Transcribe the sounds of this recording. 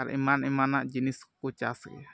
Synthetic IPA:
aɾ̰ʔḭmanimanaʔd͡ʒiniskut͡ʃasʔ

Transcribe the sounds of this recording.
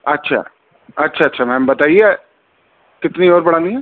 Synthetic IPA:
ɐtːʃʰa̰ː | ɐtːʃʰaɐtːʃʰamɛ̃ːmbɐt̪aːie | kɪt̪niɔːɾbɐɽaːniɦɛː

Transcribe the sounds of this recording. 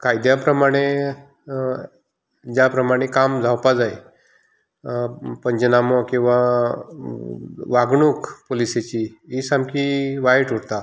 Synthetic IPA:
kajd̪japɾəmaɽ̃e | d͡ʑjapɾəmaɽ̃ekamd͡zʱawpad͡zaj | pəɲd͡ʑənamɔkĩw̃ʋa | ʋaɡɳukpoliset͡ɕiisamkiʋaɦeʈuɽt̪a

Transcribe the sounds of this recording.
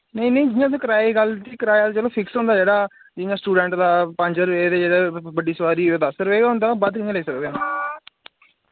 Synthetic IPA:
nəĩnəĩːd͡ʒɪjãːs̬ẽːkəɾaːiɡəlt̪iːkəɾaːjaːt̪ːt͡ʃəlõːpʰɪksɦõnd̪aːd͡ʒeːɽaː | d͡ʒɪãːsʈuːɖɛ̃ːɳʈd̪aːpə̃ɲd͡ʒəɾʋeːd̪eːd͡ʒeːɽeːbəɖiːsəʋaːɾiːd̪aːsəɾʋeːɡaːɦʊ̃nd̪aːbəd̪kɪãːleiːsəkd̪eãː

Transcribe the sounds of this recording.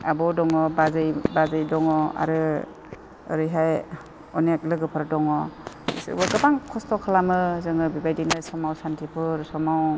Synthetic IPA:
abɔdɔŋɔbazɯjbazɯjdɔŋɔa̰ɾɯ | ɯ̰ɾɯjɦaj | ɔnak̚lɯɡɯpʰaɾdɔŋɔ̰ | sɯ̰bɯɡɯbaŋkʰɔstʰɔkʰalamɯzɯŋɯbibajdinɯsɔmawsantʰipʰɯɾsɔmaw

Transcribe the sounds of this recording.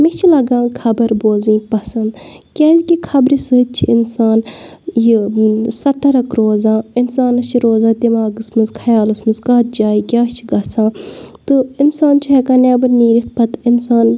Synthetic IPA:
mit͡ʃʰilɐɡãːŋkʰɐbɐɾboːzĩːpɐsɐnd̪ | kʲeːzikikʰɐbɾisɨt͡ʃʰiɪnsaːn | jisɐt̪ːɐɾɐkɾoːzãːinsaːnɐt͡ʃʰiɾoːzãːd̪imaːɡɨsmɨnzkʰɐjaːlɐsmɨzkaːt̪̚d͡ʒaːiɡʲaːt͡ʃʰiɡɐsãːt̪ɨinsaːnt͡ʃʰuɦekaːneːbɐɾniːɾit̪̚pɐt̪ɪnsaːn

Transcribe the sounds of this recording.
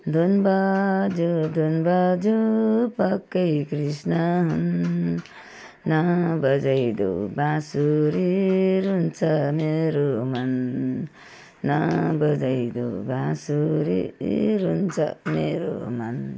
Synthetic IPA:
d̪unbad͡ʒud̪unbad͡ʒupʌkːəjkɾisnaɦun | nʌbʌd͡ʒajd̪ṵbãsuɾiɾunt͡sʰʌmeɾoman | ʌbʌd͡zajd̪o̰bãsuɾḭɾunt͡sʰʌ̰meɾo̰man

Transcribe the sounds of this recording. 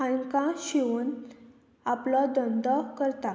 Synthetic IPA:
ãkãɕiʋuːn | aplɔd̪ənd̪ɔkəɾt̪a

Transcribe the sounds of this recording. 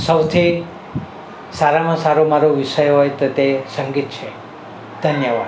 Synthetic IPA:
səwt̪ʰi | saɾamãsaɾomaɾoʋiʃəjɦojt̪ot̪esəŋɡit̪̚t͡ʃʰe | d̪̥ʱənjəʋad̪

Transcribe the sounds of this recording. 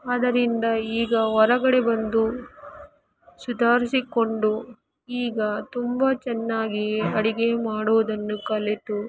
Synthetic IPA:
ɐd̪ɐɾind̪ɐiːɡɐʋɔɾɐɡɐɽebɐnd̪u | sud̪ʱaːɾisiko̞ɳɖu | iːɡɐt̪umbɐt͡ʃɛnːaːɡiɐɽiɡe̞maːɽuʋɐd̪ɐnːukɐlet̪u

